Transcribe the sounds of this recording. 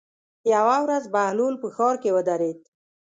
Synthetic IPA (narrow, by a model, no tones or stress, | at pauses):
jawawɾazbahlulpəxɑɾkewəd̪aɾed̪̚